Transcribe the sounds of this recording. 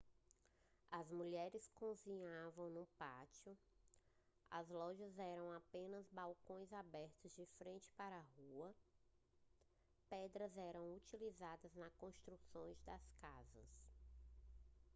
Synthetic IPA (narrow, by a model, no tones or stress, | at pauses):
ɐzmuʎɛɾɪskõzĩɲavɐ̃w̃nũpat͡ʃiʊ | ɐ̰zlɔʒɐzɛɾɐ̃w̃apẽnɐzbawkõj̃zabɛɾt̪ʊzd͡ʒɪfɾẽnt͡ʃɪ̥paɾɐɦuɐ | pɛd̪ɾɐzɛɾɐ̃w̃ut͡ʃilizad̪ɐznɐkõst̪ɾusõj̃zd̪ɐskazɐ̰s